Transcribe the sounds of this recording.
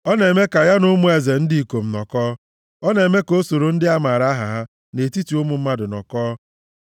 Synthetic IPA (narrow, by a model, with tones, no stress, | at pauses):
ɔ˦ne˨me˦ka˨ja˦nʊ˦mʊ˦e˨ze˨n̩˦dɪ˦i˨ko˨m̩˨nɔ̰˨kɔː˦ | ɔ˦ne˨me˦ko˦so˨ɾo˨n̩˦dɪ˦a˦ma˨ɾa˦ɦa˨ɦa˦ | ne˨ti˦tu˨ʊ˦mʊ˨m̩˦ma˦dʊ˨nɔ̰˨kɔː˦